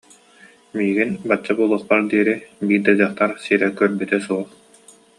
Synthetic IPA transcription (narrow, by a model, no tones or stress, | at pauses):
miːɡinbat͡ɕːabulˠuɔχpaɾd̪iɛɾibiːɾd̪ad͡ʑaχt̪aɾsiːɾɛkœɾbyt̪ɛsuɔχ